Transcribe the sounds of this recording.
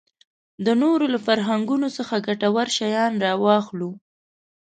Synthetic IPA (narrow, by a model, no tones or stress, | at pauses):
d̪ənoɾolafaɾɦaŋɡunosəxaɡaʈawaɾʃajɑnɾɑwɑxlu